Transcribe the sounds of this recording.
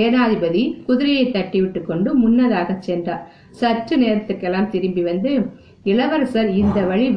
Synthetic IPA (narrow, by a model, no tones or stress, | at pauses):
eːnaːðɪbɐðikʊðɪɾɪjɐɪt̪ːɐʈːɪʋɪʈːɯkːɔɳɖɯmʊnːɐðaːɣɐt͡ʃːɛndraːɾ | sɐʈːrɯneːɾɐt̪ːɯrkːɛlːaːmt̪ɪɾɯmbiʋɐnd̪ɯ | ɪɭɐʋɐɾsɐɾɪnd̪ɐʋɐɻiʋ